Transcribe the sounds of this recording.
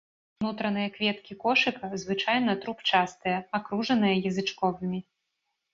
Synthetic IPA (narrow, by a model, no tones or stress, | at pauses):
nut̪ɾɐnɨjɐkvʲɛt̪kʲikɔʂɨkɐzvɨt͡ʂajnɐt̪ɾupt͡ʂast̪ɨjɐakɾuʐɐnɨjɐjɐzɨt͡ʂkɔvɨmʲi